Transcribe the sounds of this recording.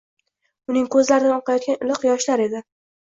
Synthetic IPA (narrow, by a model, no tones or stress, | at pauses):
ʊnɪŋkʰɵzlaɾɪnɪɒqʰɑjɒt̪̚kʲanɪlɨqjɒʃlaɾe̞d̪ɪ